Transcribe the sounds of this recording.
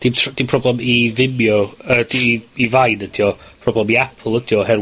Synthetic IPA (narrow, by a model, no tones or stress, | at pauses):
d̥itʰd̥ipʰr̥ɔblɛmivɪmjɔəd̥iivajnəd̥ijɔpʰrɔblˠɛmiapʰlˠəd̥jɔhɛr